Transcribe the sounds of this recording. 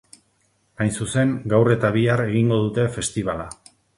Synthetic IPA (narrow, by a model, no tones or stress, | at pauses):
ajnsuse̞ŋɡawre̞t̪aβiare̞ɣiŋɡo̞ðut̪e̞fe̞st̪iβ̞ala